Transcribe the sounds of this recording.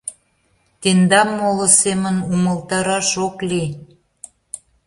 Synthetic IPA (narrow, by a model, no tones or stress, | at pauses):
t̪end̪ɑmːolŏsemənuməlˠt̪ɑɾɑʃokli